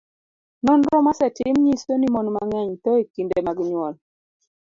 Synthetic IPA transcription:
nɔnɾɔmasɛtɪmɲisonimɔnmaŋɛɲt̪ɔekindemaɡɲwɔl

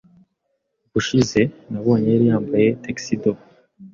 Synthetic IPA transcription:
buʃize̞naβo̞ːɲeɾijaːmbaje̞teksido

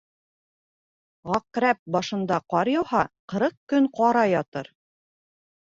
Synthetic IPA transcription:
ʁɑqɾæp̚bɒʃɤ̆nd̪ɑqɒɾjɑwhɑqɤ̆ɾɤq̚kɵŋqɒɾɑjɒt̪ɤɾ

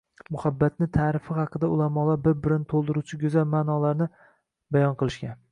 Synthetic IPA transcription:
mʊhabːat̪̚nɪt̪ʰaːɾɪfɪhɑqʰɨd̪aʊlamɒlaɾbɪɾbɪɾɪnt̪ʰolˠd̪ɪɾut͡ʃʰɪɡʲɵzalmanɒlaɾnɪ | bajɒnqʰɨlˠɪʃkʲan

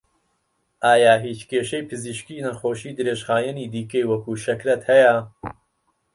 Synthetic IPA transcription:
ʔaːjaːɦiːt͡ʃkʰeːʃejpʰɨziʃkiːnɐxoːʃiːd̪ɨɾeːʒχaːjɐniːd̪iːkɐjwɐkuːʃɐkɾɐt̪hɐjɐ

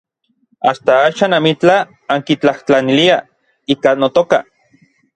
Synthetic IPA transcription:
ast̪aaːʃaːnamit͡ɬa | aŋkit͡ɬaht͡ɬanilia | iːkanot̪oka

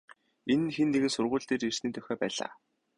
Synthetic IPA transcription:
enɘ̆nxenːeɣɘ̆nsʊrʁʊːɮt̪eːrir̥sniːt̪ʰœxʲɔːpæːɮa̰ː

